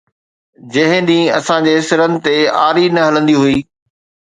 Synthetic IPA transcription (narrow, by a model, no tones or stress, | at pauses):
d͡ʑɐɦɪ̃d̪ĩːɐsãd͡ʑeːɦɪsɪɾənɪ̆t̪eaːɾinɐɦɐlə̃nd̪iɦuiː